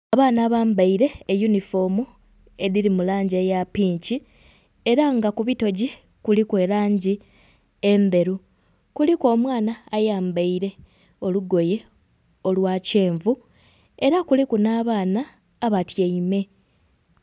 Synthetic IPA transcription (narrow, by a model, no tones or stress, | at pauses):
aβaːnaːβaːmbaiɾe̞ːjunifo̞mu | e̞ðiɾimulaːɲɟeːjapiːɲci | eɾaŋɡakuβito̞ɟi | kulikwe̞ːlaːɲɟi | embe̞ɾu | kulikwo̞ːmwaːnaːjaːmbaiɾe̞ | o̞luɡo̞je̞ | o̞lwaːce̞ːɱvu | e̞ɾakulikunaːβaːnaː | βatjeime̞